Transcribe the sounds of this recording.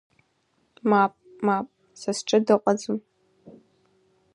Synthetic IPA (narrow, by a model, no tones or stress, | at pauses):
mapʼ | mapʼ | sasʈ͡ʂʼɨdɨqʷʼad͡zɨm